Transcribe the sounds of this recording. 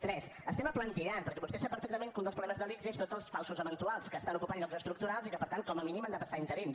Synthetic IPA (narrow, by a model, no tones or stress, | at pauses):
t̪ɾɛsəst̪ɛməplənt̪əʒanpəɾkɛβust̪ɛsapːəɾfɛk̚t̪əmeŋkund̪əspulɛməzðəlizest̪odzəlˠsfawˠsuzəβənt̪ualˠskəːst̪anukupanəlzəst̪ɾuk̚t̪uɾalˠzikəpəɾt̪an̚kɔməminimand̪əpəsaint̪əɾem